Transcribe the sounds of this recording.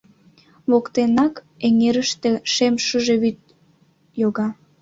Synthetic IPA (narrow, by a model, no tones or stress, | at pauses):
βokt̪enɑk | eŋeɾəʃt̪eʃemʃəʒe̽βyt̪̚ | joɣɑ